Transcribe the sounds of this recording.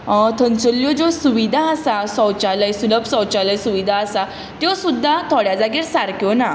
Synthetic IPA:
t̪ʰənt͡səljɔd͡zɔsuʋid̪ʱaəsasɔwt͡ɕaləjsuləpsɔwt͡ɕaləjsuʋid̪ʱaəsa | t̪josud̪ʱːat̪ʰɔɽjad͡zaɡiɾsaɾkjɔna

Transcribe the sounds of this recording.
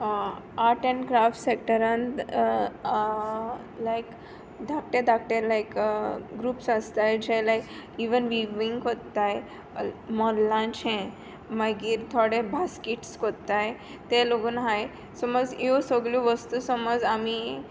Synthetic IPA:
aɾʈə̃ɳɡɾafʈsek̚ʈəɾãn | lajk | ɖak̚ʈeɖak̚ʈeɾlajkɡɾuːpsast̪ajd͡ʑɛlajkiʋənʋiʋiŋɡkot̪ːaj | mɔɾlãt͡ɕɛ̃ | maɡiːɾt̪ʰɔɽebaskiʈskot̪ːaj | t̪eloɡuːnɦaj | sɔməd͡zewsɔɡljuʋəst̪usɔməd͡zami

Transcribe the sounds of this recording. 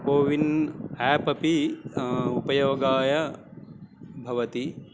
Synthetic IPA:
poːʋinɛːpɐpi | upɐjoːɡaːjɐ | bʱɐʋɐt̪i

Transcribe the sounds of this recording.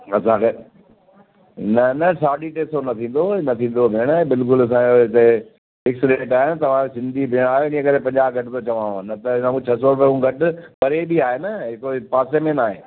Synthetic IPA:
ɐsãkʰeː | nɐnɐsaːɗiʈeːsonɐt̪ʰĩːn̆d̪onɐt̪ʰĩːn̆d̪obʱeɽ̃bɪlkʊlɐs̬ãoɪt̪e | ɪksɪɖẽɳʈaːɦenɪ̆t̪ɐʋ̤ãsɪ̃nd̪ʱibʱeɽ̃aːɦjoɪniɦə̃kɐɾẽpɐ̃ɲd͡ʑaːbɡʱɐʈɪt̪ot͡ɕɐʋãːnɐt̪ɐɪnãmt͡ɕʰɐsɔpɐũɡʱɐʈʊpɐɾebiaːɦenɐɦɪkopaːsemẽnaːɦeː

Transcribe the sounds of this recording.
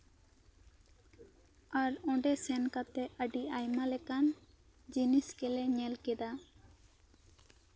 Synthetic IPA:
aɾɔ̃ɖɛsɛnkat̪ɛʔəɖiajmalɛkan | d͡ʒiniskɛlɛɲɛlkɛd̪a

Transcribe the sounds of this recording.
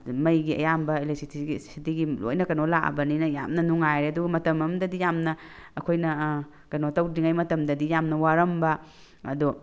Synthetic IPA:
mɐjɡiɐ̰jambɐelesitʰiissitiɡilo̰jnɐkɐnolaɐ̰bɐninɐja̰mnɐnuŋajɾeɐduɡɐmɐtɐmɐmdɐdijamnɐːkʰojnɐ | kɐnotɐwdiŋajmɐtɐmdɐdijamnɐwaɾɐmbɐ | ɐdu

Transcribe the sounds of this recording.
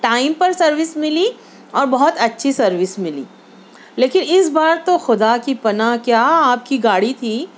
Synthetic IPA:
ʈaːɪmpɐɾsɐɾʋɪsmɪli | ɔːɾbɐɦʊt̪ɐtːʃʰisɐɾʋɪsmɪlḭː | leːkɪnɪsbaːɾt̪oxʊd̪akipɐnakjaːaːp̚kiɡaːɽit̪ʰiː

